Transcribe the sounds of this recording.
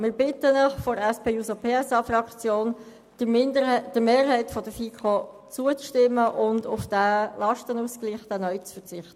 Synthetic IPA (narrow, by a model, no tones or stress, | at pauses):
mɪːɾbɪtənəχfɔɾɛspʰeːuːsopʰeːɛsɑfrɑkt͡sjoːn̥ | mɪndəd̥əmeːɾɦɛɪtfɔd̥əfikʰo | t͡suət͡sʃtɪmːəʔʊndʊfd̥ælɑʃtənuːskliːχd̥̪ɛnœʏt͡sfəɾt͡sɪχt̪ə